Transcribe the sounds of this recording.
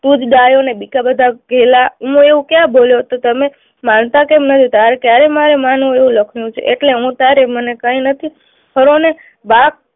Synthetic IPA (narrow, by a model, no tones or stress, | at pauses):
t̪ud͡ʒɡajonebikabəd̪ʱaɡʱɛlaɦũeʋũkjãboljot̪ot̪əme | mant̪akemnət̪ʰit̪aɾekjaɾemaɾemanũeʋũləkʰnjũt͡ʃʰḛʔeʈleɦũt̪aɾemənekãinət̪ʰi | ɦʰəɾone | bak̚